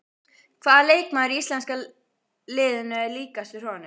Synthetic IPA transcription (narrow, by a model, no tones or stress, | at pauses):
kʰvaːðaleːjkmaðɾiist̪lɛnska | lɪːðʏnaɛliːkast̪ʏɾ̥hɔnʏ